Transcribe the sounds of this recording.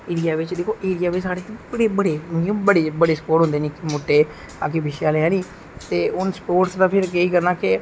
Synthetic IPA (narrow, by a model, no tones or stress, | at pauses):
eːɾijaːʋɪt͡ʃd̪eːkʰoːʔeːɾijaːʋɪt͡ʃsaːɾeːt̪ẽbəɽeːbəɽẽːbəɽeːbəɽeːsəpoːʈɦnd̪eːneːkɪmoːʈːeː | aːkebɪʃaːlãːnĩː | t̪eːʊnspoːɾʈsd̪aːpʰɪɾkeiːkəɾnaːkɪ